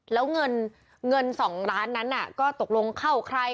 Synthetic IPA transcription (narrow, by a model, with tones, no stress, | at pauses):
lɛː˦˥wŋɤ˧n | ŋɤ˧nsɔː˩˦ŋɾaː˦˥nːa˦˥nʔa˨˩kɔː˥˩t̪o˨˩k̚lo˧ŋkʰa˥˩wkʰɾa˧j